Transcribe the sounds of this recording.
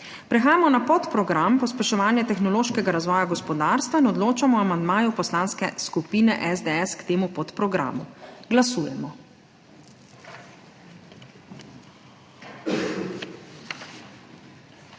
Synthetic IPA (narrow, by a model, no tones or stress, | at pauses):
pɾɛxaːjamɔnapɔt̪pɾɔɡɾampɔspɛʃɔʋaːnjɛt̪ɛxnɔloːʃkɛɡaɾazʋɔːjaɡɔspɔd̪aːɾst̪ʋainɔd̪loːt͡ʃamɔamand̪maːjupɔslanskɛskupiːnɛʔɛzd̪eɛskt̪eːmupɔt̪pɾɔɡɾa̰ːmuɡlasuːjɛmɔ